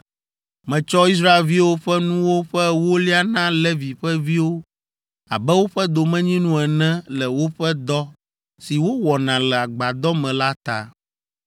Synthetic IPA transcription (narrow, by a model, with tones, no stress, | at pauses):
mɛ̃˨t͡ʃɔ˦i˦s̬ɾa˦e˨lvi˦wo˦ɸɛ˦nũ˦wo˦ɸɛ˦wo˦li˦a˦nã˦lɛ˦vi˨ɸɛ˦vi˦wo˦ | a̰˨bɛ˦wo˦ɸɛ˦d̪o˨mɛ̃˦ɲĩ˦nũ˦ɛ˨nɛ̃˦lɛ˨wo˦ɸɛ˦d̪ɔ˦ | si˨wo˦wɔ˨nã˨lɛ˨a˨ɡ͡ba˨d̪ɔ˦mɛ̃˨la˦t̪a̰˦